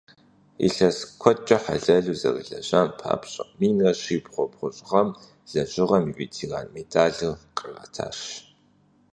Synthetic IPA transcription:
ḭɬɐskʷʰɔt͡ʃʼɐħa̰ɮɐɮuːzɐ̰rɨ̰ɮɐɕɐnpʰa̰ːpɕʼɐqmiːnrɐɕipχʷɔpχʷʊɕʼʁɐm | z̥ɐɕʼɪʁɐmiʔʷitʰira̰nmedʰaːɮɨqʼərɐ̰tʰa̰ːʃɕ

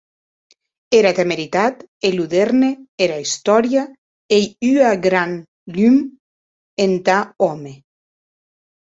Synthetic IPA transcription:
eɾat̪emeɾit̪at̪eluðeɾneeɾaist̪ɔɾja | ejyaɡɾan | lym | ent̪aɔme

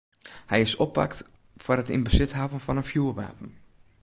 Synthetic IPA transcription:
hɛjɪsɔpːa̰kt | fʊrətḭnbəsɪtɦaːvənfɔnənfjuərʋa̰ːpən̩

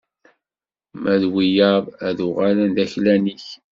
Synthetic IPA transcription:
mʔæðwijɑðˤæðuʁalənd̪æçlæniç

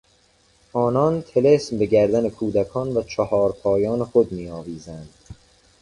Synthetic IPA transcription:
ɒːnɒːnt̪ʰelesmbe̞ɡæɾd̪ænekʰuːd̪ækʰɒːnvæt͡ʃʰɒhɒːɾpʰɒːjɒːnexod̪miːɒːviːzænd̪̥

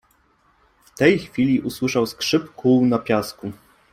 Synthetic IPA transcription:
ft̪ɛjxfʲilʲiʔuswɘʂawskʂɘpkuwnapʲjasku

